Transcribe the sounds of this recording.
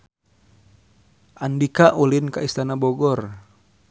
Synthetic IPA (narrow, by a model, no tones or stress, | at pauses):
ʔandikaʔulinkaist̪anabɔɡɔr